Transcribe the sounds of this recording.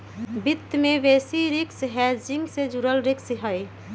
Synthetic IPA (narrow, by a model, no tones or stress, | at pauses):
bɪt̪ːmẽʋeːsiɾɪksɦɛd͡ʒɪŋɡsed͡ʒuɾəlɾɪksɦəj